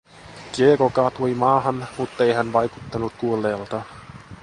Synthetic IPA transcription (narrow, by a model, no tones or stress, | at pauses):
kiekokɑt̪oimɑːɦɑnmut̪ːe̞jɦænʋɑjku̥t̪ːɑnut̪̚kuolːeːlt̪ɑ